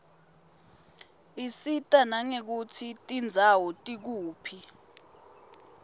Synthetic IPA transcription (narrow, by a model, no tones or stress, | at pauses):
isitʼanaŋek̬ut͡sʰitʼind͡zʱawɔtʼik̬uːpʰi